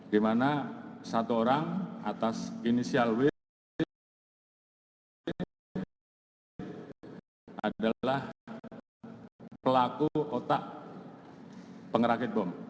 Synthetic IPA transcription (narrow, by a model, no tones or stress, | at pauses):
dimanasat̪uoɾaŋat̪asinisialwɪ | adalah | pəlakuot̪aʔ | pəŋəɾakɪt̪̚bɔm